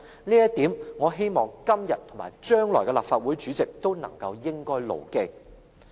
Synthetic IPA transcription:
niː˥jɐ˥t̪iː˨˥mŋɔː˨˧ɦe˥jmɔː˨ŋkɐ˥mjɐ˨t̚t̪ʰo˨˩maː˨˩jt͡ʃœː˥ŋlɔː˨˩kɛ˧la̰ː˨p̚faː˧t̚wuː˨˥jt͡ʃyː˨˥t͡sɪ˨k̚t̪o˥wnɐ̰˨˩ŋkɐ˧wjɪ˥ŋkɔː˥jlo̰˨˩wkɪ˧˥k̚

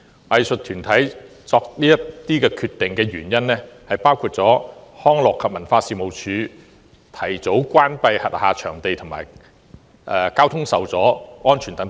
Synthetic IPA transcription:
wɐ˨˧jsɵ˨t̪ʰyː˨˩nt̪ʰɐ˨˥jt͡sɔː˧k̚liː˥jɐ˥tt̪iː˥kɛː˧kʰyː˧t̪ːɪ˨ŋkɛː˧ɥy̰ː˨˩njɐ˥nːɛː˥hɐ˨jpaː˥wkʰuː˧t̚t͡sɔː˨˥hɔː˥ŋlɔː˨kʰːɐ˨p̚mɐ˨˩nfaː˧siː˨˧mo˨wt͡ʃʰyː˨˥ | t̪ʰɐ˨˩jt͡so˨˥wkʷaː˥npɐ˧jhɐ̰˨t̚haː˨t͡ʃʰœː˨˩ŋt̪e˨jt̪ʰʊ˨˩ŋma̰ː˨˩j | ʔɛ˧kaː˥wt̪ʰʊ˥ŋsɐ˨wt͡sɔː˨˥ŋɔː˥nt͡ʃʰyː˨˩nt̪ɐ˨˥ŋ

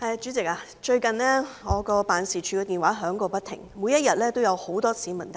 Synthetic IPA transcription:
hɐ˧ja˧t͡ʃyː˨˥t͡sɪ˨k̚aː˧ | t͡ʃɵ˧ɥkɐ˨nlɛː˥ŋɔː˨˧kɔː˧paː˨nsiː˨˩t͡ʃʰyː˨˧kɔɛː˧t̪iː˨˩nwaː˨˥ɦœː˨˥ŋkɔː˧pɐ˥t̪ʰɪ̰˨˩ŋmu˨˧jɐ˥t̚jɐ˨t̚lɛː˥t̪o˥wjɐ˨˧who˨˥wt̪ɔː˥siː˨˥mɐ˨˩t̪

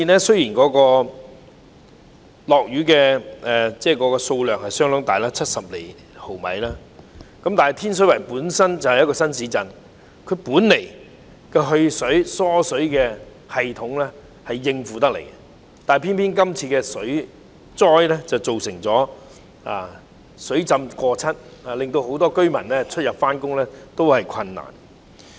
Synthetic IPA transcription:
i˨nɛː˥sɵ˥jiː˨˩nkɔː˨˥kɔː˧ | lɔː˨k̚jyː˨˥kɛː˧ɛː˨˩t͡sɛː˥˩kɔː˨˥kɔː˧so˧wlœː˨ŋhɐ˨jsœː˥ŋlʊ˨˥ŋt̪a̰ː˨jlaː˥t͡sʰɐ˥t̚sɐ˨p̚lḛ˨˩j | ho˨˩wmɐ̰˨jlaː˥ | kɐ˨˦mt̪aː˨nɦɐ˨jt̪ʰiː˥ns̬ɵ˨˥ɥwɐ˨˩jpuː˨˥nsɐ˥nt͡sɐ˨whɐ˨jːɐ˥kɔː˧sɐ˥nsiː˨˥t͡sɐ˨˧n | kʰɵ˨˧ɥpuː˨˥nːe˨˩j | kɛ˧ɦɵ˧ɥsɵ˨˥ɥsɔː˥sɵ˨˥ɥkɛː˧ | hɐ˨jt̪ʰʊ˨˥ŋlɛː˥ | hɐ˨jːɪ˧ŋfuː˨t̪ɐ˥k̚lḛ˨˩jkɛ˧ | t̪aː˨n˨˩pʰi˥npʰiː˥nk̬ɐ˥mt͡sʰiː˧kɛː˧sɵ˨˥ɥ | t͡sɔː˥jlɛ˥t͡sɐ˨wt͡so˨wsɪ˨˩ŋt͡sɔː˨˥ | a̰ː˨˧ | sɵ˨˥ɥt͡sɐ˧mkɔː˧t͡sʰɐ˥t̚aː˨˩lɪ˨ŋt̪o˧wɦo˨˥wt̪ɔː˥kɵ˥ɥmɐ̰˨˩nlɛː˥t͡ʃʰt̚jɐ˨p̚faː˥nkʊ˥ŋlɛː˥t̪o˥whɐ˨jkʷʰɐ˧nːa̰ː˨˩n

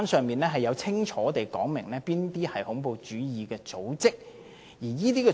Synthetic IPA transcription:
nsœː˨˧ŋmiː˨nlɛː˥ɦɐ˨jːɐ˨˧wt͡sʰɪ˥ŋt͡ʃʰɔː˨˥t̪e˨jkɔː˨˥ŋmɪ̰˨˩ŋlɛː˥piː˥nt̪iː˥hɐ˨jhʊ˨˥ŋpo˨˧wt͡ʃyː˨˥jiː˨kɛː˧t͡so˨˥wt͡sɪ˥k̚ | jiː˨˩jiː˥t̪iː˥kɛ˨

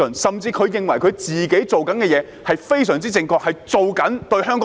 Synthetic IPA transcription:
ɵ˨˩nsɐ˨mt͡siː˧kʰɵ˨˧ɥjɪ˨ŋwɐ˨˩jkʰɵ˨˧ɥt͡siː˨ke˨˥jt͡so˨wkɐ˨˥nkɛː˧jɛː˨˧ | hɐ˨jfe˥jsœː˨˩ŋt͡siː˥t͡sɪ˨˧ŋkɔː˧˥k̚hɐ˨jt͡so˨wkɐ˨˥nt̪ɵ˧ɥɦœː˥ŋkːɔ

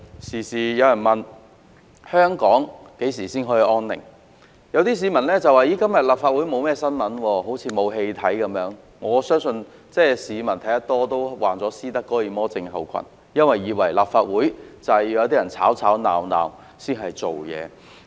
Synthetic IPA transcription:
siː˨˩siː˨˩jɐ˨˧wjɐ˨˩nmɐ˨n | hœː˥ŋkɔː˨˥ŋke˨˥jsiː˨˩siː˥nɦɔː˨˥ji˨˧ʔɔː˥nnɪ̰˨˩ŋ | jɐ˨˧wt̪iː˥s̬iː˨˧˥mɐ˨˩nlɛː˥t͡sɐ˨waː˨jiː˨˥kɐ˥mjɐ˨t̚laː˨p̚faː˧t̚wuː˨˥jmo˨˧wmɛː˥sɐ˥nmɐ˨˥nwɔː˧ɦo˨˥wt͡sʰiː˨˧mo˨˧wɦe˧jt̪ʰɐ˨˥jkɐ˨˥mjœː˨˥ŋ | ŋɔː˨˧sœː˥ŋsɵ˧n | t͡sɛː˥˩siː˨˧mɐ˨˩nt̪ʰɐ˨˥jɐ˥t̪̚ɔː˥t̪o˥wwaː˨˩nt͡sɔː˨˥siː˥t̪ɐ˥kːɔː˨˥jiː˨˧mɔː˥t͡sɪ˧ŋɦɐ̰˨˩wkʰɐ̰˨˩n | jɐ˥nwɐ˨jːiː˨˧wɐ̰˨˩jlaː˨p̚faː˧t̚wuː˨˥jt͡sɐ˨jjɐ˧t̪iː˥jɐ˨˩nt͡sʰa̰ː˨˥wt͡sʰaː˨˥wna̰ː˨wna̰ː˨m | siː˥nɦɐ˨jt͡so˨wjɛ̰ː˨˧

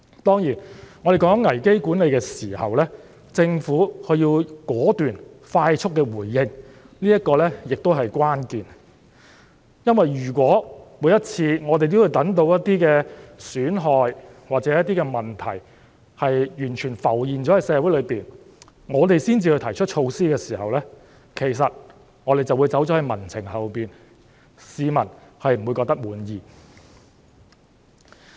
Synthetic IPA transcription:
t̪ɔː˥ŋjiː˨˩nŋɔː˨˧ɾe˨jkɔː˨˥ŋ˥ŋɐ˨˩jke˥jkuː˨˥nle˨˧jkɛː˧siː˨˩hɐ̰˨wlɛː˥ | t͡sɪ˧ŋfuː˨˥kʰɵ˧ɥjiː˧wkɔː˨˥t̪yː˨n | faː˧jt͡ʃʰʊ˥t̚kːɛː˧wuː˨˩jːɪ˧ŋ | liː˥jɐ˥kɔː˧lɛː˥jɪ˨k̚t̪o˥wɦɐ˨jkwʷaː˥nkiː˨n | jɐ˥nwɐ˨jjyː˨˩k̬wɔː˨˥mu˨˥jɐ˥t̚t͡sʰiː˧ŋɔː˨˧t̪e˨jt̪o˥wːu˨˧jt̪ɐ˨˥ŋt̪o˧wjɐ˥t̪̚ːiː˥kɛː˧syː˨˥nɦɔː˧jwaː˨k̚t͡sɛ˨˥jɐ˥t̪̚iː˥kɛː˧mɐ˨˩nt̪ʰɐ˨˩j | hɐ˨jjyː˨˩nt͡ʃʰyː˨˩nfɐ˨˩wjiː˨nt͡ʃɔː˨˥hɐ˨˧jsɛː˨˧wu˨˥jlɥpiː˨n | ŋɔː˨˧t̪e˨jsiː˥nt͡siː˧hɵ˧jt̪ʰɐ˨˩jt͡ʃʰɵ˥t̚t͡ʃʰo˧wsiː˥kɛː˧siː˨˩hɐ˨wlɛː˥ | kʰe˨˩js̬ɐ˨t̚ | ŋɔː˨˧ɾe˨jt͡sɐ˨wu˨˧jt͡sɐ˨˥wt͡ʃɔː˨˥hɐ˨˧jmɐ˨˩nt͡sʰɪ˨˩ŋhɐ˨wpiː˨n | siː˨˧mɐ˨˩nhɐ˨jm̩˨˩wu˨˧jkɔː˧k̚t̪ɐ˥k̚muː˨˥njiː˨

